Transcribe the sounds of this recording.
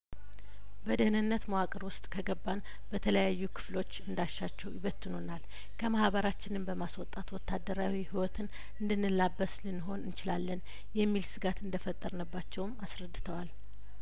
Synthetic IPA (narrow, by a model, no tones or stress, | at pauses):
bəd̪əhnɨnːət̪moakʼəɾwʊst̪ʼkʰəɡəbːan | bət̪ʰələjajːukʰɨ̥flo̞t͡ʃːɨnd̪aʃːat͡ʃːɛwjɪβət̪ʰːɨnonal | kʰəmahbəɾat͡ʃːɪnɨmbəmaswɔt̪ʼːat̪wɔt̪ʰːad̪ːəɾawihiwɔt̪ʰɨn | ɨnd̪ɨnːɨlabːəslɨnːɨɦo̞nɨnt͡ʃɪlalːən | jɛmːilsɨɡat̪ɨnd̪əfət̪ʼːəɾnəbːat͡ʃːɛwmasɾəd̪ːɨt̪ʰəwal